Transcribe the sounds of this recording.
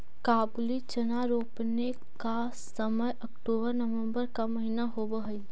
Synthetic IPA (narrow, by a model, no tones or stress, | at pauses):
kaːblit͡ʃɐnaɾoːpne | ka | səməjʔɐkʈoːbəɾnɐʋə̃mbəɾkamɐɦinaɦobəɦəi